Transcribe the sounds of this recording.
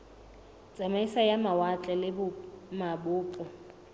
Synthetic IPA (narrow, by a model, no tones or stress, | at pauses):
t͡sʼamaisajamawat͡ɬʼɛlɪbʊmabʊːpʼʊ